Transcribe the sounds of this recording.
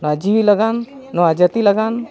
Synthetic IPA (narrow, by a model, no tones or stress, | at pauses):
nɔad͡ʒiʋiləɡanːɔwad͡ʒət̪iləɡan